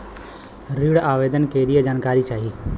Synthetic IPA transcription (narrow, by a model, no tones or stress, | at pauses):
ɾiːɽaːʋeːd̪ənkeːɾijəd͡ʒaːnkaːɾit͡ʃaːɦiː